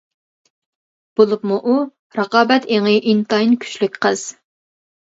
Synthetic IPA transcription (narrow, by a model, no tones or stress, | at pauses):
b̥olˠɨpmuʔu | ɾəqɑːbɛt̪ʰeŋɪʔint̪ɑinkʲʰy̥t͡ʃlyk̚ʲqʰəz̥